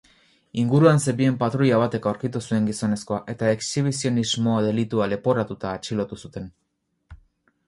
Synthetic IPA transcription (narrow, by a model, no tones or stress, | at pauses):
iŋɡuɾuanseβie̞mpat̪ɾuʎaβ̞at̪e̞kawɾkit̪usue̞ŋɡiso̞ne̞sko̞aʔe̞t̪ae̞ksiβ̞isio̞nizmo̞ðe̞lit̪uale̞po̞ɾat̪ut̪aːt͡ʃilo̞t̪usut̪e̞n